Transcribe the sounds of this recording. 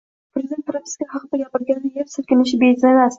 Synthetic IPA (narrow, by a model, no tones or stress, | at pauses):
pʰɾezʲid̪ent̪ɾamʲɪ̥skahɑqɨd̪aɡʲapɪɾɡʲanɪjeɾsɪɾkʲɪnɪʃɪbeɪzlanas